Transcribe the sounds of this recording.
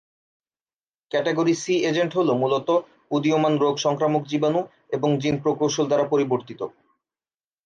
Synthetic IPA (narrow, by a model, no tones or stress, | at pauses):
kɛʈeɡoɾisied͡ʑeɳʈɦolomulot̪o | ud̪iomanɾoɡʃɔŋkɾamok̚d͡ʑibanu | eboŋd͡ʑinpɾokɾowʃold̪aɾapoɾiboɾt̪it̪o̰